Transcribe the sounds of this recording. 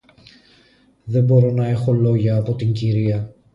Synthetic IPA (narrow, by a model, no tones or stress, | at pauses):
ðe̞mbo̞ɾo̞nɐe̞xo̞lo̞ʝɐːpo̞t̪iɲɟiɾiɐ